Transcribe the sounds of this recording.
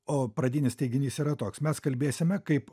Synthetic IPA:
oːpɾɐd̪ʲɪnʲɪsʲt̪ʲɛɪɡʲɪnʲiːsiːɾɐt̪oːksmʲɛskɐlʲbʲeːsʲɪmʲɛkɐɪp

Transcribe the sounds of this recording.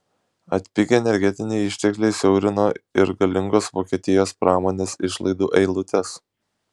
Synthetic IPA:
ɐt̪ʲpʲɪɡʲeɛnʲɛɾʲɡʲɛt̪ʲɪnʲɛɪɪʃʲt̪ʲɛklʲɛɪsʲɛʊɾʲɪnoːɪɾɡɐlʲɪŋɡoːsʋoːkʲiɛt̪ʲɪjoːspɾɑːmoːnʲeːsɪʃlˠɐ̰ɪd̪uːʔɛɪlˠʊt̪ʲɛs

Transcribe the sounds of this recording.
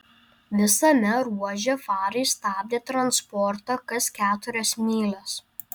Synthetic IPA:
ʋʲɪsɐmʲɛɾuɔʒʲɛfɑːɾɐɪst̪ɑːb̚ʲd̪ʲeːt̪ɾɐnspɔɾt̪ɑkɐskʲæːt̪ʊɾʲɛsmʲiːlʲˠɐs

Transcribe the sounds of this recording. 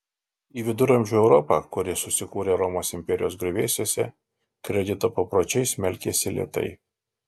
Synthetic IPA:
iːʋʲɪd̪ʊɾɐmʲʒʲuːɛʊɾɔpɑːkʊɾʲɪsʊsʲɪkuːɾʲeːɾɔmoːsɪmʲpʲɛɾʲɪjoːsɡɾʲʊʋʲeːsʲeːsʲɛ̰ | kɾʲɛd̪ʲɪt̪oːpɐpɾoːt͡ʃʲɛɪsʲmʲɛlʲkʲeːsʲɪlʲḛt̪ɐ̰ɪ

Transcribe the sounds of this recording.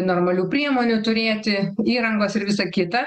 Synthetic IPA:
noːrmɐlʲuːpʲɾʲiɛmoːnʲut̪ʊɾʲeːt̪ʲɪiːɾɐŋɡoːsɪɾʋʲɪsɐkʲɪt̪ɐ

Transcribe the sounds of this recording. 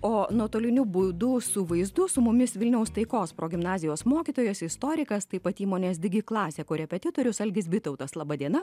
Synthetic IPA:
oːnuɔt̪oːlʲɪnʲʊbʊd̪ʊsʊʋɐɪzd̪ʊsʊmʊmʲɪsʋʲɪlʲnʲɛʊst̪ɐɪkoːspɾoːɡʲɪmnɑːzʲɪjoːsmoːkʲit̪oːjɛsɪst̪oːɾʲɪkɐst̪ɐɪpɐt̪iːmoːnʲeːsd̪ʲɪɡʲɪklˠɑːsʲeːkoɾʲɛpʲɛt̪ʲɪt̪oːɾʲʊsɐlʲɡʲɪsbʲɪt̪ɐʊt̪ɐslˠɑːbɐd̪ʲiɛnɐ

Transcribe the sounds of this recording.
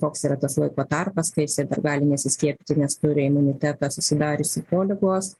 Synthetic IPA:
koːksiːɾɐt̪ɐslˠɐɪkoːt̪ɐrpɐskɐɪɪsʲɛɪd̪ɐ̰rɡɑːlʲɪnʲɛsʲɪsʲkʲiɛpʲɪt̪ʲɪnʲɛst̪ʊɾʲɪɪmʊnʲɪt̪ʲæt̪ɑsʊsʲɪd̪ɑːɾʲɪsʲɪpoːlʲɪɡoːs

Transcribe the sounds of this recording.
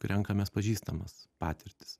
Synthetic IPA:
kɾʲɛŋkɐmʲɛspɐʒʲiːst̪ɐmɐspɑːt̪ʲɪɾʲt̪ʲɪ̥s

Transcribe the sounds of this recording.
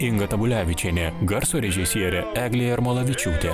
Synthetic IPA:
ɪŋɡɐt̪ɐbʊlʲæːʋʲɪt͡ʃʲɛnʲɛɡɐɾsoːɾʲɛʒʲɪsʲiɛɾʲɛæːɡlʲeːjɪɾmoːlˠɐʋʲɪt͡ʃʲuːt̪ʲe

